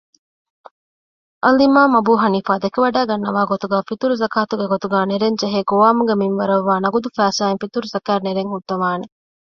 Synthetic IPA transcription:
ʔɐlimaːmɐbuːɦɐniːfaːd̪ekeʋɐɖaːɡɐnːɐʋaːɡot̪uɡæːfit̪uɾuzɐkaːt̪uɡeɡot̪uɡaːneɾeɲd͡ʒeɦeːɡoʋaːmuɡeminʋɐɾɐʋːaːnɐɡud̪ufæːsaːeŋfit̪uɾuzɐkæːɾneɾeŋhuɖ̪ːɐʋaːne

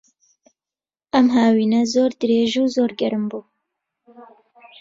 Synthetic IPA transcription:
ʔɐmɦaːwiːnɐzoːɾd̪ɨɾeːʒuːzoːɾɡɐɾɨmbuː

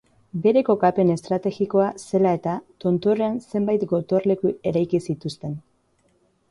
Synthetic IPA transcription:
be̞ɾe̞ko̞kape̞ne̞st̪ɾat̪e̞ɣiko̞ase̞lae̞t̪at̪o̞nt̪o̞ɾe̞anse̞mbajt̪ɡo̞t̪o̞ɾle̞kue̞ɾajkisit̪ust̪e̞n

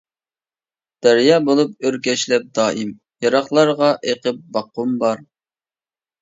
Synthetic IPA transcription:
d̪̥ɛɾjɑːbolˠup̚øɾkʲɛʃlɛp̚d̪ɑːʔim | jɑɾɑχlˠɑɾʁɑʔeqəp̚bɑqːumbɑɾ

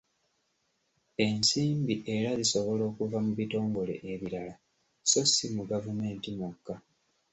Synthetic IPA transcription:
e̞nsiːmbiʔe̞ɾaziso̞βo̞lo̞ːkuvamuβito̞ːŋɡo̞le̞̰ʔeβiɾala | so̞simuɡavume̞ːntimukːa

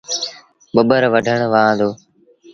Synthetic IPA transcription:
ɓəɓəɾʋəɖʱəɳʋãːd̪oː

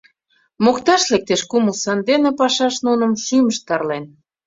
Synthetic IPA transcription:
mokt̪ɑʃlek̚t̪eʃkuməlsɑnd̪enepɑʃɑʃnunə̆mʃyməʃt̪ɑrlen

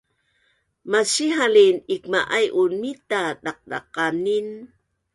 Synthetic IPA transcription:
masiɦalinik̚maʔajʔunitaɗaq̚ɗa̰qanin

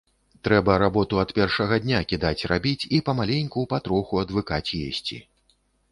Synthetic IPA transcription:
t̪ɾɛbɐɾabɔt̪uɐt̪pʲɛrʂɐɣɐd̪ʲnʲakʲid̪at͡sʲrabʲit͡sʲipɐmalʲenʲkupat̪ɾɔxuɐd̪vɨkat͡sʲjḛsʲt͡sʲḭ

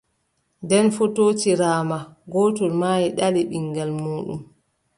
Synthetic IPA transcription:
ndɛnfotoːt͡ʃiɾaːmaɡɔːtɔlmaːjiɗaliɓiŋɡalmuːɗṵm

